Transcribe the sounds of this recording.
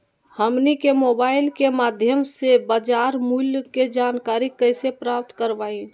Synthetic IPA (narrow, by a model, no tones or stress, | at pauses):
həmnikemoːbaːɪlkemaːd̪ʱjəmsebaːd͡ʒaːɾmuːlked͡ʒaːnkaːɾikəɪsepɾaːp̚t̪kəɾʋaːi